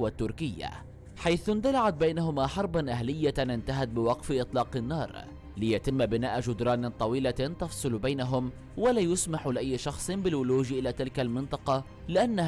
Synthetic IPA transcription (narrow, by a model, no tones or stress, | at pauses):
wat̪ːʊɾkɪjːa̰ | ħajθʊnt̪alaʕat̪̚bajnaɦʊmaːħɑɾˤbanʔaɦlɪjːaʔɪnt̪aɦat̪̚bɪwɑqfɪʔɨt̪ˤlɑːqɪnːɑːɾˤ | lɪjat̪ɪmːbɪnaːʔad͡ʒʊd̪ɾˤɑːnt̪ˤɑwiːlat̪ɑfsˤɨlbajnaɦʊm | walaːjʊsmaħlɪʔajːɪʃɑxsˤɨnbɪlwʊluːʒʔɪlaːt̪ɪlkalmɪnt̪ˤɑqɑ | lɪʔanːa